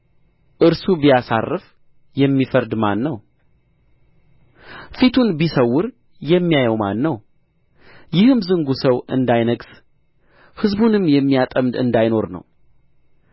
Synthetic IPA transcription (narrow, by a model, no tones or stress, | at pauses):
ʔɨɾsubijasa̰rːɨf | jɛmːifəɾd̪manːəw | fit̪ʰunbisəwːʊɾ | jɛmːijajɛwmanːəw | jɪhɨmzɨŋɡusəwɨ̰nd̪ajnəɡs | hɨzbunɨmːjɛmːijat̪ʼəmd̪ɨ̰nd̪ajno̞ɾnə̰w